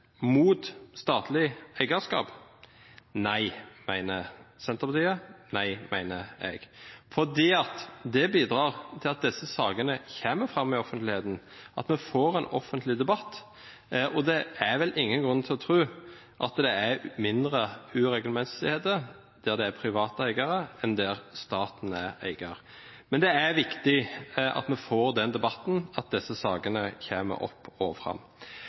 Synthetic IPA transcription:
muːt̪st̪ɑːt̪ʰlɪæɪɡəskɑ̰ːp | næɪmæ̰ɪnəsɛnt̪əɾpʰɑt̪ʰiːənæɪmæɪnəɛ̰ɡ̥fɔd̪iːɑt̪d̪ɛbiːd̪ɾɑːʁt̪ʰɪlɑt̪̚d̪ɛsːəsɑːɡənəçeːməfʁɑmːɪɔfənt̪lɪheːt̪n̩ʔɑ̰t̪mɛfoːɾɛnɔ̰fənt̪lɪd̪ɛbɑt̪ː | ʔɔd̪ɛæɾʋɛlʔɪŋːənɡʁʉnːt̪ʰɪlɔt̪ʰɾʉː | ʔɑt̪d̪ɛæɾmɪnd̪ɾəʉːɾɛɡlmɛsɪheːt̪ə | d̪̥æd̪ɛæpʰɾɪʋɑːt̪əæɪɡəɾəɛnd̪æɾst̪ɑːt̪n̩æɾæ̰ɪɡɑʁ | mɛnd̪ɛæɾʋɪkt̪ɪʔɑ̰t̪mɛfoːɾd̪ɛnd̪ɛbɑt̪n̩ɑt̪̚d̪ɛsːəsɑːɡənəçeːmə̰ɾʔɔ̰pːo̰ːʋəfʁɑ̰mː

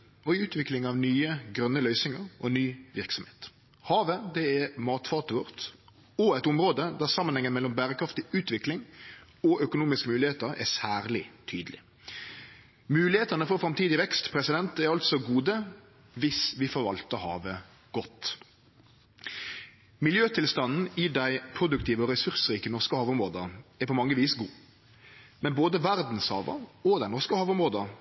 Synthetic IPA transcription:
ɔʉːt̪ʰʋɪklɪŋɑʋnyːəɡɾœnːəlœʏsɪŋəɾɔ̰nyːʋɪɾksɔmhe̥ːt̪ | hɑːʋəd̪ɛɛɾmɑːt̪fɑʁt̪əʋɔʁt̪ | ɔæɪt̪ʊmɾoːd̪əd̪æʁsɑmːənhɛŋːənmɛlːɔmbæːɾəkʰɾɑft̪ɪʉːt̪ʋɪklɪŋ | ɔʔœkʊnuːmɪskəmʉːlɪheːt̪əɾɛ̰sæːɾlɪt̪ʰyːd̪əlɪ | mʉːlɪheːt̪ənəfɔɾfɾɑmt̪ʰiːd̪ɪʋɛkst̪pʰɾɛsɪd̪ɛnt̪ɛɾɑlt̪sɔɡuːd̪ə | ʋɪsʋɪfɔɾʋɑ̰lt̪əhɑ̰ːʋə | ɡ̥ɔt̪ː | mɪljøːt̪ʰɪlst̪ɑnn̩ɪd̪æɪpʰɾʊd̪ʉkt̪ʰiːʋəɔʁɛsʉʁsɾiːkənɔʁskəhɑːʋʊmɾoːd̪əɛɾpɔmɑŋːəʋiːsɡuː | mɛnboːd̪əʋæɾd̪n̩shɑ̰ːʋə̰ɔd̪æɪnɔʁskəhɑːʋʊmʁoːd̪ə

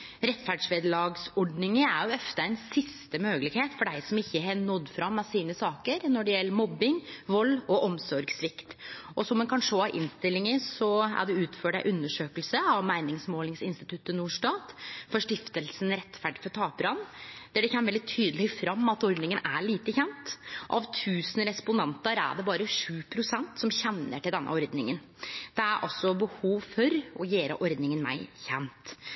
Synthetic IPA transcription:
ɾɛt̪ːfæɖʂʋeːd̪əlɑːɡsɔɖnɪŋəæɾjʊɛft̪əɛɪnsɪst̪əmøːɡəlɪɡheːt̪fɔɖæɪsɔmɪçːəɦɛnɔd̪ːfɾɑmːɑsiːnəsɑːkəɾnɔɖɛjɛlːəmɔbːɪŋʋɔlːɔʔɔmsɔɾɡsʋɪkt̪ɔsɔmːɛnkʰɑnʂoːɑɾʔɪ̰nːst̪ɪlːɪŋəsɔæ̰ɖɛʉːt̪føːɖæɪʔʉnːəʂøːkəlsəɑʋmæɪnɪŋsmoːlɪŋsɪnst̪ɪ̥t̪ʰʉt̪ːənuːʂʈɑːt̪fɔʂʈɪft̪əlsənɾɛt̪ːfæɖɪfɔʈ̪ʰɑːpɾɑnd̪̥æɖɛçɛnːʋɛld̪ɪt̪ʰyːd̪əlɪfɾɑmːɑt̪ɔɾd̪nɪŋənæɭiːt̪əçɛnt̪ʔɑʋt̪ʰʉːsənɾɛspʊnɑnt̪əɾæ̰ɖɛbɑːɾəʂʉːpʰɾʊsɛnt̪sɔmçɛnːə̰ʈɪld̪ɛnːʔə̰ɔɾd̪nɪŋən | d̪̥ɛæɾʔɑ̰lsɔbəhuːʋfɔɾʔɔjeːɾə̰ʔɔɾd̪nɪŋənmæ̰ɪçɛnt̪

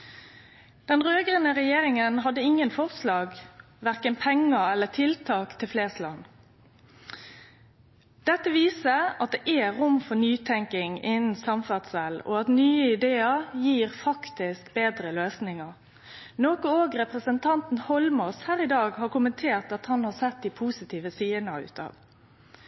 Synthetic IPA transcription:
d̪̥ɛnʁøːɡʁənəʁɛjeːɾɪŋənɦɑd̪ːəɪŋːənfɔʁslɑːɡ | ʋæʁkənpʰɛŋəɛlːət̪ʰɪlt̪ʰɑːkt̪ʰɪlfleːst̪lɑ̰nː | d̪̥ɛt̪ːəʋiːsəɑt̪̚d̪ɛʔɛɾʊmfɔnyːt̪ʰɛŋkɪŋɪnn̩sɑmfɑd̪sɛlɔ̰ɑt̪nyːəɪd̪eːəɾjiːʁfɑkt̪ɪskbeːd̪ʁəløːsnɪŋəʁ | noːkɔoːɡɾɛpʁəsənt̪ʰɑnt̪n̩hɔlmɔshæːɾʁɪd̪ɑːɡhɑːɾkʊmənt̪ʰeːʁt̪ɑt̪hɑnhɑsɛt̪̚d̪ipʰuːsɪt̪ʰiːʋəsiːənəʉ̰ːt̪ʰɑ̰ːʋ

